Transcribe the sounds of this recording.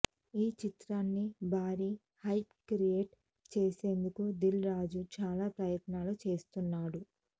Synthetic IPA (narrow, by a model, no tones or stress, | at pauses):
iːt͡ʃit̪ɾaːnːibʱaːɾiː | hɐjpkɾijeːʈ | t͡ʃeːse̞ːnd̪ukud̪ilɾaːd͡ʒut͡ʃaːlaːpɾɐjɐt̪naːlut͡ʃe̞ːst̪unːaːɽu